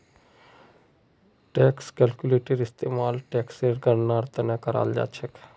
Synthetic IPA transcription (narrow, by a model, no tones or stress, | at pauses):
ʈɛːkskɛlkuleːʈəɾɪst̪eːmaːlʈɛːkseːɾɡənnaːɾt̪ənãkəɾa̰ːld͡ʒa̰ːt͡ʃʰək